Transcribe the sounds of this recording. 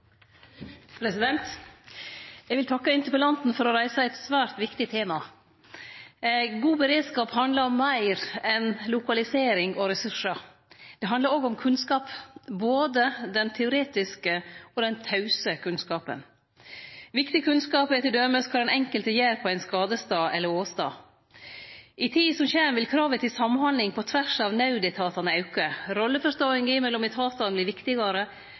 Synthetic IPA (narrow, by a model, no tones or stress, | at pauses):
pʰɾɛsɪd̪ɛnt̪ | jɛɡʋɪlt̪ʰɑkːəɪnt̪əpəlɑnt̪n̩fɔɾɔɾæɪsəɛt̪sʋæːɾt̪ʋɪkt̪ɪt̪ʰeːmɑ | ɡuːbəɾeːd̪skɑːphɑnd̪ləɾɔmːæɪɾɛnlʊkɑlɪseːɾɪŋɔɾɛsʉʂəɾ | d̪̥ɛɦɑnd̪ləɾoːɡɔmkʰʉnskɑːpboːd̪əd̪ɛnt̪ʰɛʊɾeːt̪ɪskəɔd̪ɛnt̪ʰɑʉsəkʰʉnskɑːpə̰n | ʋɪkt̪ɪəkʰʉnskɑːpɛt̪ɪld̪øːməskʰɑɾɛnɛŋkəlt̪əjæːɾpʰɔæɪnskɑːd̪əst̪ɑːʔɛlːəɾoːst̪ɑ̰ː | ʔɪt̪ʰiːsɔmçeːnʋɪlkʰɾɑːʋət̪ʰɪlsɑmnhɑnlɪŋpʰɔt̪ʰʋæʂɑʋnɑʉd̪ɛt̪ʰɑːt̪ɑnəɑʉkəɾɔlːəfɔʂt̪oːɪŋɡimɛlːɔmɛt̪ʰɑːt̪ɑnb̪lɪɾʋɪkt̪ɪɡɑɾə